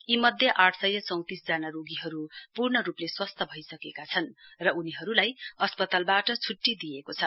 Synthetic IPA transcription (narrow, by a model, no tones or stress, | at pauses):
imʌd̪ʱjʌʔaʈʰsʌjːʌt͡sʌw̃t̪isd͡zanaɾoɡiɦʌɾupurnʌɾupleswʌst̪ʰʌbʱʌjsʌkekat͡sʰʌnrʌuniɦʌɾulajʌspʌt̪albaʈʌt͡sʰuʈːid̪iekot͡sʰʌ